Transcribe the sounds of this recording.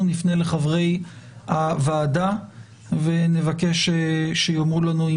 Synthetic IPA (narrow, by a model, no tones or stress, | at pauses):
nifnele̞χavʁe̞javaːda | ve̞ne̞vake̞ʃeʃejomʁulanui